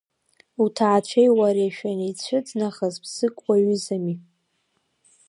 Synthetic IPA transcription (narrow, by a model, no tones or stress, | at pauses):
utʰaːt͡ɕʷʰejwaɾiaʃᶣanejt͡ɕʷʰɨd͡znaχazbz̥ɨkʷʼwaɥʏzami